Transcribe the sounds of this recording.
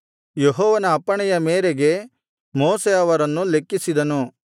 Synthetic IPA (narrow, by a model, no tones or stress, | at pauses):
jeɦɔːʋɐnɐːpːɐɳɛjɐmeːɾeɡe̞ | moːseɐʋɐɾɐnːule̞kːisid̪ɐnu